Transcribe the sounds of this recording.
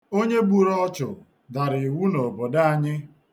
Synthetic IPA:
o˦ɲe˦ɡ͡bu˨ɾɔ˦t͡ʃʊ˨ | da˨ɾɪ˨wu˦no˨bɔ˨da˦a˨ɲɪ˦

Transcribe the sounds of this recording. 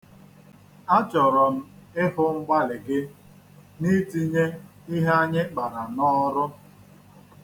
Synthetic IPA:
a˦t͡ʃɔ˨ɾɔ˨m̩˦ɪ˦ɦʊ˦ŋ͡m̩˦ɡ͡ba˦lɪ˨ɡɪ˦ | ni˦ti˦ɲe˦ | i˦ɦe˦a˦ɲɪ˦k͡pa˨ɾa˨nɔ˦ɾʊ˦

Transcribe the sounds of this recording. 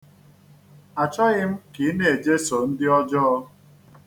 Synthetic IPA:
a˨t͡ʃa˦ɣɪ˦m̩˦ki˨˦ne˨e˨d͡ʒe˦so˨n̩˦dɪ˦ɔ˦d͡ʒɔ˦ɔ˦

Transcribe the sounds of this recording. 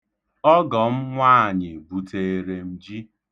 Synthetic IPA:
ɔ˦ɡɔ˨m̩˦ŋʷaː˦˨ɲɪ˨bu˨tʰe˨e˨ɾe˨m̩˨d͡ʒi˦

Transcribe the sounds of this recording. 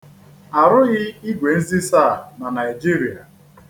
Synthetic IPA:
a˨ɾʊ˦ɣɪ˦i˦ɡʷe˨n̩˦zi˦sa˦˨na˨na˨i˨d͡ʒi˦ɾi˨a˨

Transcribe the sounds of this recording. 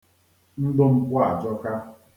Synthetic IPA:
n̩˦dʊ˦m̩˨kʷʊ˦a˨d͡ʒɔ˦ka˦

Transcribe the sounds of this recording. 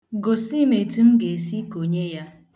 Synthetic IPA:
ɡo˨si˦me˨tu˦m̩˦ɡe˨e˨si˦ko˨ɲe˦ja˦

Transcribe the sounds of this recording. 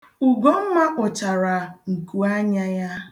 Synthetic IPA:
u˨ɡɔ˦ŋ̩˦ma˦ʔʊ˨t͡ʃa˨ɾa˨ŋ̩˨ku˨a˦ɲa˦ja˦

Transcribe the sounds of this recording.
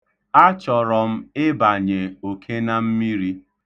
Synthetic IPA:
a˦t͡ʃɔ˨ɾɔ˨m̩˦ɪ˦ba˨ɲe˨o˨kʰe˦na˦m̩˦mi˦ɾi˦

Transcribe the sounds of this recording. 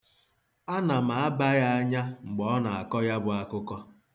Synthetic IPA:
a˦na˨ma˨a˦ba˦ja˦a˦ɲa˦ŋ͡m̩˨ɡ͡bɔ˨ɔ˦na˨a˨kɔ˦ja˦bʊ˨a˦kʊ˦kɔ˦

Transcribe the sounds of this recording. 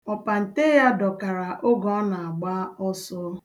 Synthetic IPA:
ɔ˨pa˨n̩˨te˦ja˦dɔ˨ka˨ɾa˨ʔo˦ɡɔ˨˦na˨a˨ɡ͡ba˦ɔ˦sɔ˦

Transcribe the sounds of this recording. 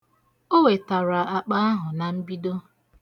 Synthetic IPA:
o˦we˨ta˨ɾa˨a˨k͡pa˦a˦ɦʊ˨na˨m̩˦bi˦do˦

